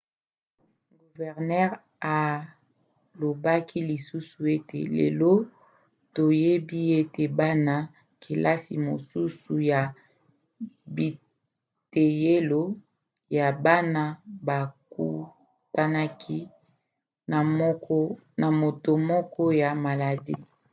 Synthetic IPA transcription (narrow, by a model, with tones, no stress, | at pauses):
ɡu˨vɛ˨ʁnɛ˦ʁ | a˨ | lo˨ba˦kʰi˦li˨su˦su˨e˦tḛ˨lḛ˨lo˦ | to˨je˦bi˦e˦te˨ba˦na˦ | kʰe˨lʔa˦si˨mo˨su˦su˨ja˨ | bi˨ | te˨je˦lo˦ | ja˨ba˦na˦ba˨kṵ˦ | ta˦na˦kʰi˦ | na˨m˦kɔ˦ | na˨mo˨to˨mɔ˦kʰɔ˦ja˨ma˨la˨di˦